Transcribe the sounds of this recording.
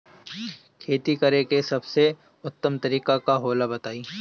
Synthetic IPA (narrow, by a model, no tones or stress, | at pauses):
kʰeːt̪ikɐɾekesɐbse | ʊt̪ːəmt̪ɐɾiːkakaɦoːlabɐt̪aːiː